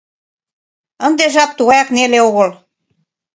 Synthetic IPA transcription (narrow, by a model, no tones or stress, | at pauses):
ə̆nd̪eʒɑp̚t̪uɣɑjɑkneleoɣɤ̆l